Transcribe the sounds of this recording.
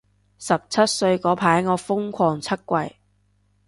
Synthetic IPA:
sɐ˨p̚t͡sʰɐ˥t̚sɵ˧ɥkɔː˨˥pʰaː˨˥jŋɔː˨˧fʊ˥ŋkʷʰɔː˨˩ŋt͡sʰɐ˥t̚kʷɐ˨j

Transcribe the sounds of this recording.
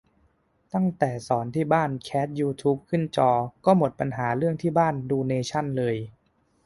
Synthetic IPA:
t̪a˥˩ŋt̪ɛː˨˩sɔː˩˦nt̪ʰiː˥˩baː˥˩nkʰɛː˦˥t̪̚juː˧t̪ʰuː˦˥p̚kʰɯ˥˩nt͡ɕɔː˧kɔː˥˩mo˨˩t̪̚pa˧nɦaː˩˦ɾɯ˥˩əŋt̪ʰiː˥˩baː˥˩nduː˧neː˧t͡ɕʰa˥˩nlɤː˧j

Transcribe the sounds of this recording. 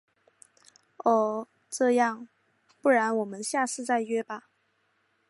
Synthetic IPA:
ɔ˥˩ | ʈ͡ʂɤ˥˧jɑ˥˩ŋ | pu˥˩ɻa˧˥nwɔ˨˩mə˦nɕja˥˧ʂɻ̩˥˧t͡sa˥˧ɪɥɛ˥˩ba˨

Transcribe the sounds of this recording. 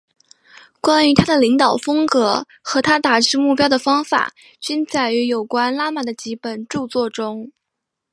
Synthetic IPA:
kwa˥ny˧˥t̪ʰa˥d̪ə˨li˧˥ŋt̪ɑ˨˩ʊfɤ˥ŋkɤ˧˥ | xɤ˧˥t̪ʰa˥t̪a˨˩ʈ͡ʂɻ̩˥mu˥˩pjɑ˥ʊd̪ə˨fɑ˥ŋfa̰˨˩˦ | t͡ɕy˥nt͡sa˥˩ɪy˧˥jo˨˩ʊkwa˥nla˥ma˨˩d̪ə˩t͡ɕi˧˥pə˨˩nʈ͡ʂu˥˧t͡swɔ˥˩ʈ͡ʂʊ˥ŋ

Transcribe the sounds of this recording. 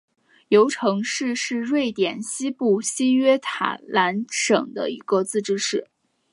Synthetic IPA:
jo˧˥ʊʈ͡ʂʰɤ˧˥ŋʂɻ̩˥˧ʂɻ̩˥˧ɻwe˥˩ɪt̪jɛ˨˩nɕi˥pu˥˩ɕi˥ɥɛ˥t̪ʰa̰˨˩˦la˧˥nʂɤ̰˨˩ŋd̪ə̰˦i˧˥ɡə˧t͡sɹ̩˥˩ʈ͡ʂɻ̩˥ʂɻ̩˥˩

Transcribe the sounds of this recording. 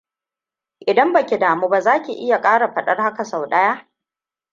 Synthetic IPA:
ʔɪ˨dɐ˦mbɐ˨kʲi˨daː˨muː˦ba˨zaː˦kʲi˨ʔɪ˦ja˨kʼaː˦ɽa˨ɸɐ˨ɗɐ˦rha˦ka˨sa˨wɗɐ˦jaː˦

